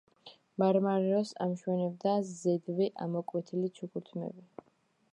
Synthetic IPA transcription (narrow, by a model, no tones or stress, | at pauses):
maɾmaɾɛɔsa̰mʃwɛnɛb̚d̪azɛd̪viʔamɔkʼwɛt̪ʰilit͡ʃʰukʰuɾt̪ʰmɛ̰bi